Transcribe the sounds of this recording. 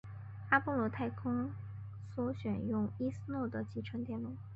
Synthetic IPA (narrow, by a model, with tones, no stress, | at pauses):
a˥pɔ˥˧lwɔ˧˥t̪ʰa˥˩ɪkʰʊ˥ŋ | swɔ˧˥ɕɥɛ˨˩njʊ˥˩ŋi˥s̩˥nwɔ˥˩d̪ə˩t͡ɕi˧˥ʈ͡ʂʰə˧˥ŋt̪jɛ˥˩nlu˥˩˦